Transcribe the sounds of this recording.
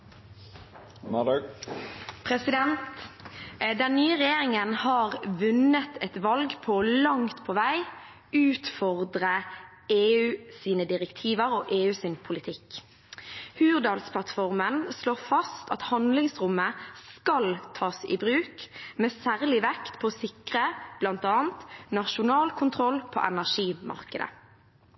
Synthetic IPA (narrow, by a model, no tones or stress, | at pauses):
mɑd | pʰɾɛsɪd̪ɛnt̪ | d̪ɛnnyːəʁɛjeːʁɪŋənhɑːʁʋʉnət̪ʰɛt̪ʋɑlɡpʰɔɔlɑŋt̪pʰɔʋæɪ | ʉːt̪fɔʁd̪ʁə | eːʉːsiːnəd̪ɪʁɛkt̪ʰiːʋəʁoːʔeːʉːsɪnpʰʊlɪt̪ʰɪk | hʉːʁd̪ɑːlspʰlɑt̪fɔʁmənsloːʁfɑst̪ɑt̪hɑnd̪lɪŋsʁʊmːəskɑlt̪ʰɑːsɪ̰bʁʉːkmeːsæːʁlɪʋɛkt̪pʰɔsɪkʁəb̥lɑnt̪ɑːnt̪nɑʃʊnɑːlkʰʊnt̪ʰʁɔlpʰo̰ːʔɛnæʁʂiːmʔɑ̰ʁkəd̪ə̰